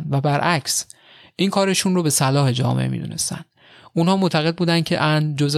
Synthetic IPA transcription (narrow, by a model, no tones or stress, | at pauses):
nvæbæɾʔæcʰs | ʔiːnkʰɒːɾe̞ʃunɾobe̞sælɒːhe̞d͡ʒɒ̰ːmḛʔemḭd̪ṵne̞̰st̪æ̰nd̪̥ | ʔunhɒːmot̪ʰæɣe̞d̪̚buːd̪ænd̪cʰe̞̰ʔænd͡ʒoz